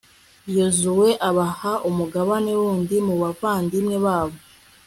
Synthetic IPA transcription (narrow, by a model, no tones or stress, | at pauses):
jozuwe̞ʔaβahaʔumuɡaβanewuːndimuβavaːndimŋe̞βaːβo